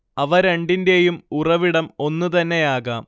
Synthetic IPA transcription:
ɐʋɐɾeɳɖinde̞jumurɐʋiɽɐmo̞nːut̪ɐnːe̞aːɣaːm

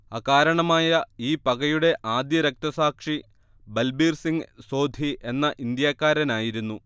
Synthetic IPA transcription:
ɐkaːɾɐɳɐmaːjɐiːpɐɣɐjuɽe̞ʔaːd̪jɐɾɐk̚t̪ɐsaːkʂi | bɐlbiːrsiŋɡso̞ːd̪ʱiʔe̞nːɐʔind̪jaːkːaːɾɐnaːjiɾunːu

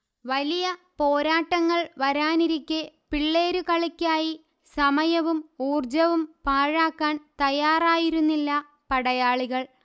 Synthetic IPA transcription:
ʋɐlijɐpo̞ːɾaːʈːɐŋːɐɭʋɐɾaːniɾikʲːepiɭːe̞ːɾukɐɭikʲːaːji | sɐmɐjɐʋumuːrd͡ʑɐʋumpaːɻaːkːaːnt̪ɐjaːraːjiɾunːilːɐ | pɐɽɐjaːɭiɣɐɭ

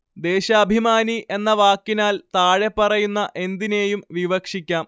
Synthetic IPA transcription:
d̪e̞ːɕɐːbʱimaːniʔe̞nːɐʋaːkːinaːlt̪aːɻe̞pːɐrɐjunːɐʔe̞nd̪ine̞ːjumʋiʋɐkʂikʲːaːm

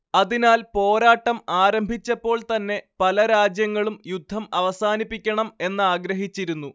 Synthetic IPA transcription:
ɐðinaːlpo̞ːɾaːʈːɐmaːɾɐmbʱit͡ɕːɐpːo̞ːɭt̪ɐnːe̞pɐlɐɾaːd͡ʑjɐŋːɐɭumjud̪ʱːɐmɐʋɐsaːnipːikʲːɐɳɐme̞nːɨaːɡɾɐɦit͡ɕːiɾunːu

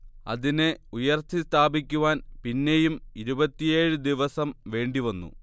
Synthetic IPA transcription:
ɐ̰ðineujɐrt̪ʰist̪ʰaːbikʲːuʋaːnpinːe̞jumiɾubɐt̪ːije̞ːɻɨd̪iʋɐsɐmʋe̞ːɳɖiʋɐnːṵ

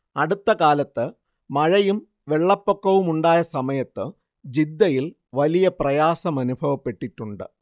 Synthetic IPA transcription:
ɐɽut̪ːɐkaːlɐt̪ːɨ | mɐɻɐjum | ʋe̞ɭːɐpːo̞kːɐʋumuɳɖaːjɐsɐmɐjɐt̪ːɨ | d͡ʑid̪ːɐjil | ʋɐlijɐprɐjaːsɐmɐnubʱɐʋɐpːe̞ʈːiʈːuɳɖɨ̰

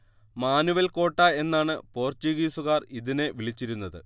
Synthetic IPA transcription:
maːnuʋɐlko̞ːʈːaːe̞nːaːɳɨpo̞ːrt͡ɕiɣiːsuɣaːriðine̞ʋiɭit͡ɕːiɾunːɐðɨ̰

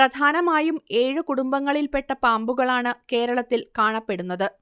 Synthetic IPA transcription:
prɐd̪ʱaːnɐmaːjume̞ːɻɨkuɽumbɐŋːɐɭilpe̞ʈːɐpaːmbuɣɐɭaːɳɨke̞ːɾɐɭɐt̪ːilkaːɳɐpːeɽunːɐðɨ

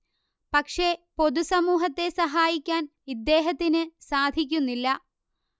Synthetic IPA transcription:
pɐkʂe̞po̞d̪usɐmuːɦɐt̪ːe̞sɐɦaːjikʲːaːnid̪ːe̞ːɦɐt̪ːinɨsaːd̪ʱik̬ʲːunːilːɐ

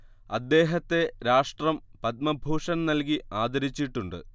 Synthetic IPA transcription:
ɐd̪ːe̞ːɦɐt̪ːe̞ɾaːʂʈrɐmpɐt̪̚mɐbʱuːʂɐnnɐlkiaːd̪ɐɾit͡ɕːiʈːuɳɖɨ̰

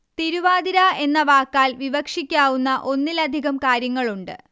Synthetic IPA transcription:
t̪iɾuʋaːd̪iɾae̞nːɐʋaːkːaːlʋiʋɐkʂikʲːaːʋunːɐʔo̞nːilɐd̪ʱiɣɐmkaːɾjɐŋːɐɭuɳɖɨ̰

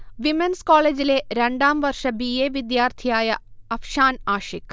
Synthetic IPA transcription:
ʋimenskoːleːd͡ʑileɾeɳɖaːmʋɐrʂɐbijeːʋid̪jaːrt̪ʰijaːjɐɐfʂaːnaːʂik

